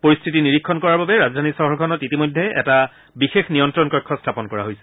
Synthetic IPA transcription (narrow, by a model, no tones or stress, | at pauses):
poɹist̪ʰitiniɹikʰːɔnkɔɹaɹbabɛɹazdʱanisɔɦɔɹɔkʰɔnɔtitimojdʱːeɛ̰ta | bixexnijɔntɹɔnkɔkʰːɔstʰapɔnkɔɹa̰ɦojsɛ̥